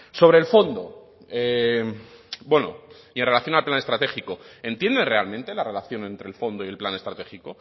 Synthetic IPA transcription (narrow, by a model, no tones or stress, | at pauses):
so̞βɾe̞ːlfo̞nd̪o̰ | e | bwe̞no̰ienre̞laθjo̞nalplane̞st̪ɾat̪e̞xikoe̞nt̪je̞nd̪e̞nre̞almẽ̞nt̪e̞lare̞laθjo̞ne̞nt̪ɾe̞lfo̞nd̪oie̞lplane̞st̪ɾat̪e̞xiko